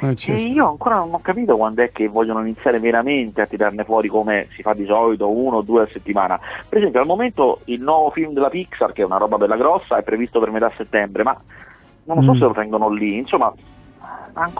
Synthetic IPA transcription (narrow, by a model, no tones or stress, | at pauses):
iːoaŋkoːɾanonɔkːapiːt̪okwand̪oɛkːevːɔʎːonoinit̪sjaːɾeveɾament̪eat̪ːiɾarnefwɔːɾikomesifad̪ːisɔlit̪ounod̪ːuːeaset̪ːimaːnapeɾezɛmpjoalmoment̪oilnwɔːvofilmd̪elːapiksarkeɛunaɾɔbabɛlːaɡɾɔsːaɛpːɾevist̪opermet̪asːet̪ːɛmbɾema̰ | nonlːsɔsːelːot̪ɛŋɡonoliːnsomːa | aŋk